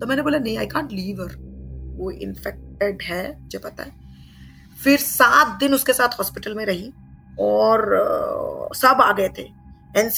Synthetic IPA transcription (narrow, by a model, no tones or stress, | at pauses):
t̪omɛːneboːlanɐɦĩa̰ːɪjkãːɳʈliːʋəɾʋoʔɪ̰nfɛk̚ʈeɖɦɛːmʊd͡ʒʱepɐt̪a̰ɦɛ | fɪɾsaːt̪̚d̪ɪnʊskesaːt̪ʰɦɔːspɪʈəlmẽɾɐɦĩ | ɔːɾ | sɐbaːɡɐet̪ʰe | ɛːns